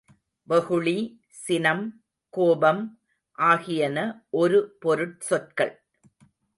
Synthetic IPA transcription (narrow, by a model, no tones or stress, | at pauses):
ʋɐɣɯɭi | sɪnɐm | koːbɐm | ʔaːɣɪjɐnɐʔɔɾɯpɔɾɯʈ̚sɔʈ̚kɐɭ